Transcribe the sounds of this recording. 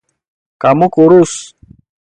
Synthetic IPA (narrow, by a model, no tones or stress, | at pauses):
kamukuɾus